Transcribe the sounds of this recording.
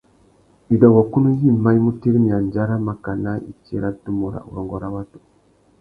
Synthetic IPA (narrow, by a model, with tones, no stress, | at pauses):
i˨da˨wa˨ku˦nu˦ji˦˨ma˦jmu˦ti˦ɾmi˨a˨nd͡ʒa˦ɾa˦ma˨ka˨na˦ḭ˨t͡ʃe˦ɾa˦du˦mo˨ɾa̰˨ṵ˨ɾo˨ŋɡo˨ɾa˦wa˦tu̥˨